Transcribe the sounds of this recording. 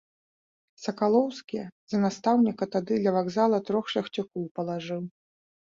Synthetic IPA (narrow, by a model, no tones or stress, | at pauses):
sɐkalˠɔwskʲizɐnast̪awnʲikɐt̪ad̪ɨd̪lʲɐvaɡzalˠɐt̪ɾɔxʂɐxt͡sʲukɔwpɐlˠaʐɨw